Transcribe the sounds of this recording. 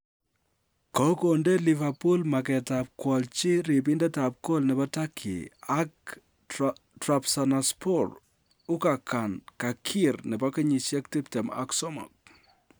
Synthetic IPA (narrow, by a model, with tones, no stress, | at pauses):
kɔ˦konde˦li˨va˨pu˦lma˨kɛ˨tap̚kwɔ˨lt͡ʃi˦ɾi˨p̬i˦ndɛ˦ta˨p̚ko˦lnɛ˨bɔ˦ta˦kʰːḭ˨ak | trapsana˨spʰɔ˦r | u˦ka˨ka˨nka˨kʰi˦rnɛ˨ba˦kɪ˦ɲi˨ʃjɛ˦k̚ti˦p̚tɛ˨ma̰˨ksɔ˦mɔ̰˨k̚